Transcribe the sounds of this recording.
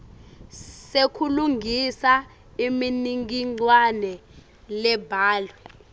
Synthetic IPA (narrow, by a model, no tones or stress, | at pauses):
sekʰuluŋʱisa | iminiŋɡiŋ͡ǀwanɛ | lɛbʱaːlwɛ